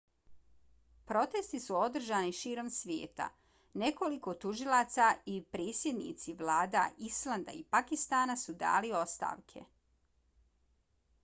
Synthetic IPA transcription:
pɾo̞t̪est̪isuo̞d̪r̩ʒaniʃiːɾo̞msʋjeːt̪a̰ | ne̞ko̞liko̞t̪uʒilˠat̪saipɾeːsje̞d̪nḭt̪siʋlaːd̪aislˠand̪a̰ipakist̪aːnasud̪a̰ːlio̞st̪a̰ːʋkʰe̞̰

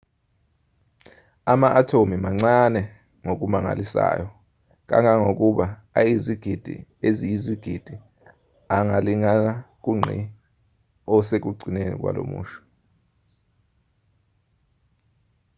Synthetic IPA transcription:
amaʔatʰomimaŋ͡ǀanɛ | ŋok̬umaŋa̰lisa̰ːjɔ | k̬ʼa̰ŋaŋok̬uɓaajiziɡ̥ʱid̥ʱḭezijiziɡ̥ʱid̥ʱi | aŋaliŋanak̬uŋ͡ǀʱḭ | ɔsek̬ʼuɡ͡ǀʱinenḭk̬wa̰lo̰mṵːʃu̥

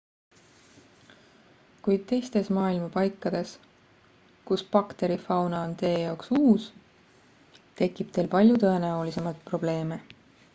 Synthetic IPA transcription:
kujd̪̥̚t̪e̞jst̪e̞smɑːilmɑpɑjkːˑɑd̪̥e̞s | kuspɑkt̪e̞ɾifɑwnɑont̪e̞ːjɑoksuːs | t̪e̞kːˑib̥̚t̪e̞ːlpɑlʲjut̪ɤe̞næolise̞mɑlt̪̚pro̞b̥le̞ːme̞

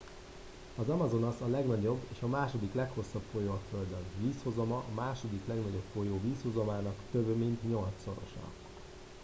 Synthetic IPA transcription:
ɒzɒmɒzo̞nɒsɒlɛɡnɒɟo̞bːeːʃɒmaːʃo̞d̪iklɛkho̞sːɒpfojoːɒføld̪ønviːsho̞zo̞mɒʔɒmaːʃo̞d̪iklɛɡnɒɟo̞pfo̞joːviːshozo̞maːnɒkt̪øbømint̪ɲo̞lt̪so̞̰ɾo̞̰ʃɒ̰

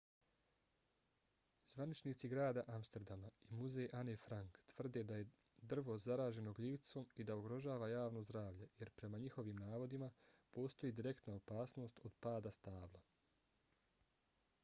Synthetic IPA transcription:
zʋanit͡ʃniːt̪siɡɾaːd̪aʔamst̪eɾd̪amaimuzejʔanefɾaŋkt̪ʋr̩d̪e̞d̪aje̞ | d̪r̩ʋo̞zaɾaːʒe̞noɡliːʋt̪so̞ːmid̪aoɡɾo̞ʒaːʋajaːʋno̞zd̪ɾaːʋʎe̞je̞ɾpɾe̞maɲixo̞ʋiːmnaːʋo̞d̪imapo̞ːst̪o̞jiːd̪iɾe̞kt̪naopaːsno̞ːst̪o̞d̪paːd̪ast̪aːʋla

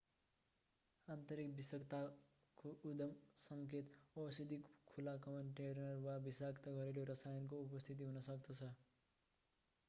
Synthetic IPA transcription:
ant̪ʌɾikbisʌkt̪a | koud̪ʌmsʌŋket̪ʌsid̪ikkʰːulakʌmʌnʈeɾnʌɾwabisakt̪aɡʌɾeloɾʌsajʌnkoupʌst̪ʰit̪̬iɦunʌsʌkd̪ʌt͡sʰʌ

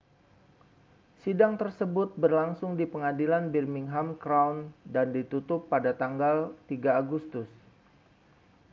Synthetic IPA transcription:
sidaŋt̪ərsəbʊt̪̚bərlaŋsʊŋdipəŋadilanbirmɪŋɦamkɾawndandit̪ut̪ʊpːadat̪aŋɡalt̪iɡaːɡust̪ʊs

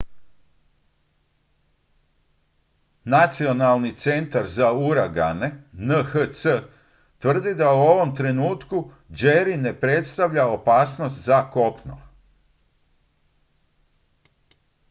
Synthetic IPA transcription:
nat̪sio̞nalˠnit̪se̞nt̪aɾzauɾaɡane̞nəxət̪sə | t̪ʋr̩d̪id̪auo̞ʋo̞mt̪ɾe̞nuːt̪ku | d͡ʒeɾine̞pɾe̞t̪st̪aʋʎao̞paːsno̞st̪zako̞pno̰

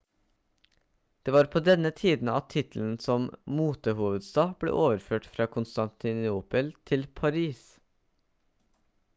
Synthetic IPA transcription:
d̪̥eːʋɑːɾpʰoːd̪ɛnət̪ʰiːd̪n̩ɑt̪ʰɪt̪l̩n̩sɔmmuːt̪əhuːʋəd̪st̪ɑːb̥lḛːʔoːʋəɾføːʈfɾɑːkʰʊnst̪ɑnt̪ɪnuːpəlt̪ʰɪlpʰɑɾiːs

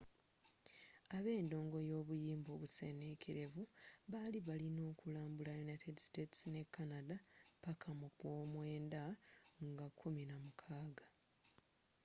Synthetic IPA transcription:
aβe̞ːndo̞ːŋɡo̞jo̞ːβujiːmbo̞ːβuse̞ne̞kʰeɾe̞vuβaliβalino̞ːkulaːmbulajunajte̞diste̞ti̥sine̞kːanadapakʰamukwoːmwe̞ːndaŋɡakʰːuminamukʰaːɡḁ

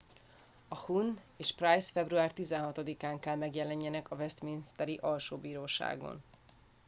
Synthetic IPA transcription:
ɒhun | eːʃprajsfɛbruaːrt̪izɛnɦɒt̪od̪ikaːŋkɛlmɛɡjɛlɛɲːɛnɛkɒvɛst̪minist̪ɛɾiʔɒlʃoːbiːɾoːʃa̰ːɡo̰n

